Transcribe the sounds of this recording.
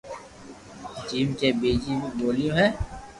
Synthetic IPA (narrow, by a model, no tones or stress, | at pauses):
t͡ʃiːmkebeːd͡ʒiboːlijõːɦɛː